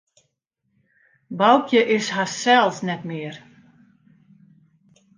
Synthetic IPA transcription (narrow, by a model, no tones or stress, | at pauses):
bawkjəʔɪsɦasɛlˠsnɛtmɪːər